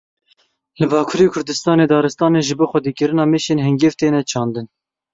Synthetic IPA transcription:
lɨbɑːkʰuːɾeːkʰʊɾd̪ɨst̪ɑːneːd̪ɑːɾɨst̪ɑːneːʒɨboːxʷɛd̪iːkɨɾɨnɑːmeːʃeːnɦɛŋɡeːvt̪eːnɛt͡ʃʰɑːnd̪ɨn

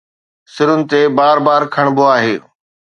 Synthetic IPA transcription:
sɪɾʊnɪ̆t̪ebaːɾbaːɾkʰɐɽ̃boaːɦeː

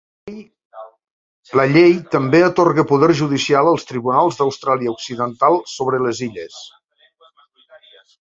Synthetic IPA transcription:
ləʎejt̪əmbeət̪orɣəpuðɛrʒuð̞isialˠəlˠst̪ɾiβunalˠzðɐwst̪ɾaliəuksiðənt̪alˠsoβ̞ɾələziʎə̰s

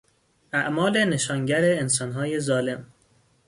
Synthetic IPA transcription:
ʔæʔmɒːle̞ne̞ʃɒːŋɟæɾeːns̬ɒːnɦɒːje̞zɒːle̞m

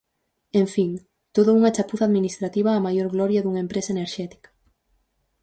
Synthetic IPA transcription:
eɱfiŋ | t̪oðʊuŋɐt͡ʃapuθaðminist̪ɾat̪iβaːmajoɾɣlɔɾjɐðuŋaempɾesɐeneɾʃɛt̪i̥kɐ̥

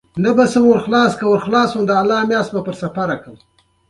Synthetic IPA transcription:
nabasəmoɾxlɑːskawəɾxlɑːswəmd̪əalːɑːmjɑːst̪bapəɾsafaɾakəw

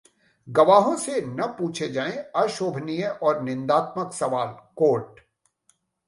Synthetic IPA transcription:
ɡɐʋaːɦõsenɐpuːt͡ʃʰed͡ʒaːẽɐʃoːbʱnijəʔɔːɾnɪ̃nd̪aːt̪məksɐʋaːlkoːʈ̚

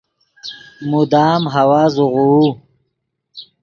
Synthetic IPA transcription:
mud̪aːmɦawaːzuʁuu

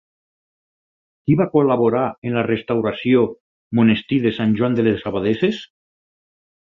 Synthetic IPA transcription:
kiβakolaβoɾaenlarest̪awɾasjo | monest̪iðesanʲʒwand̪elesaβaðeses

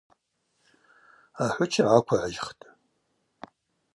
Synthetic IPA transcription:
aħʷʊt͡ʃʰaʕakʷʰaʕaʒχtʼ

